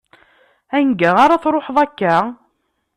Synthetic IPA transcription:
ænɡæaɾaθɾˤoħðˤækːæ

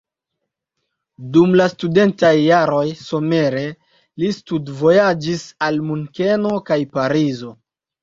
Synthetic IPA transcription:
dumlastude̞ntajːaɾo̞jso̞me̞ɾe̞ | listudvo̞jad͡ʒisalmuŋke̞no̞kajpaɾizo̞

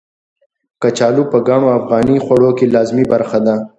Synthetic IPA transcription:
kət͡ʃaːlupəɡaɳ̃oafɣɑːnixwɐɽokelɑːzmibɐɾxad̪a

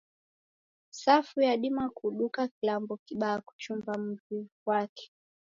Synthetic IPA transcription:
safujaɗimakuɗukakilambɔkiɓaːku̥t͡ʃumvam̩tikwakɛ̥

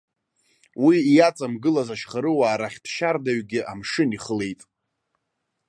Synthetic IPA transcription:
wijat͡sʼamɡɨlazaʃχaɾɨwaːɾaχʲd̥ʰʃardaɥɡʲɪʔa̰mʂɨniχəle̞jtʼ

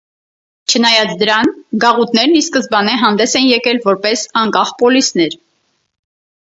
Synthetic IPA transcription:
t͡ʃʰənɑjɑt͡sʰd̪əɾɑnɡɑʁut̪nɛɾniskəzbɑnɛɦɑnd̪ɛsɛnjɛkɛlvɔɾpɛsɑŋkɑχpɔlisnɛɾ

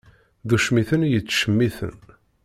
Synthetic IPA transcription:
ðuʃmiθənjət͡sːʃəmːiθə̰n

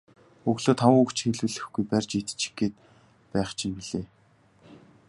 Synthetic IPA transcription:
ɵɣɮoːt̪ʰawukt͡ɕxeɮwɘ̆ɮɘ̆xɡujpærʲt͡ɕit̪ɘ̥̆t͡ɕi̥ɡeːt̪̚ | pæːχt͡ɕʰĭmpiɮeː

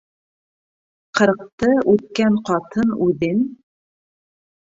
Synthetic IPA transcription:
qɤ̆ɾq̚t̪ɤʔʉt̪̚kæɴqɑt̪ʰɤnʉðɘn

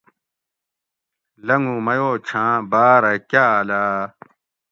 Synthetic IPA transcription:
lɐŋɡũmɐjoːt͡ɕʰãːbaːɾɐkaːlaː

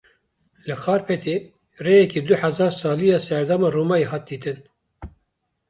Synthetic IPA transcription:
lɨxɑːɾpʰɛt̪ʰeː | reːjɛkiːd̪ʊħæzɑːɾsɑːlijɑːsɛɾd̪ɑmɑːruːmɑːjeɦɑːt̪̚d̪iːt̪ʰɨn

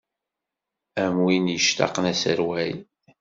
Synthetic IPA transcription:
æmwinjəʃt̪ɑ̰qnæsəɾwæjn

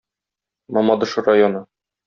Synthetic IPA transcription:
mɒmɑd̪ɤ̆ʃɤrajonɤ

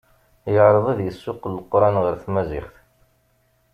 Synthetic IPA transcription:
jəʕɾˤəðˤiðjəsːʊqːəlːqːɾˤɑnʁəɾθmæzɪχθ

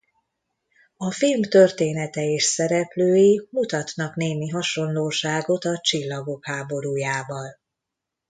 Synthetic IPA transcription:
ɒfilmt̪ørt̪eːnɛt̪ɛeːʃsɛɾɛpløːjimut̪ɒt̪nɒkneːmiɦɒʃo̞nloːʃaːɡo̞t̪ɒt͡ʃilːɒɡo̞khaːbo̞ɾuːjaːvɒl

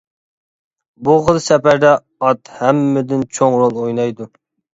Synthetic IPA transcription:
buʁəlˠsɛpæɾd̪ɛ | ɑt̪hɛmːɪd̪ɪnt͡ʃʰoŋɾolˠojnɑjd̪u

